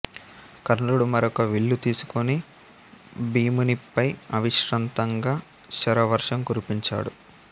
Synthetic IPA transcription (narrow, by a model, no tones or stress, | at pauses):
kɐɾnɐluɽumɐɾɔkɐʋiɭːut̪iːsu̥koni | biːmunipɐjɐʋiʃɾɐnt̪ɐŋɡaː | ʃɐɾɐʋɐɾʂɐmkuɾipiɲt͡ʃa̰ːɽu